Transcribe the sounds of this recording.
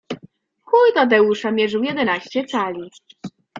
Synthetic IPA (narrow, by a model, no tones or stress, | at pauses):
kujd̪ad̪ɛwuʂamʲjɛʐɘwjɛd̪ɛnaɕt͡ɕɛt̪salʲi